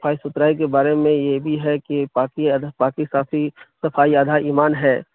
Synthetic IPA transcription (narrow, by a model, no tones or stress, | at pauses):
sɐpʰaːisʊt̪ɾaːik̬ebaːɾemẽjebʱiɦɛkipaːkipaːkisaːfʰisɐfʰaːiaːd̪ʱaiːmaːnɦɛː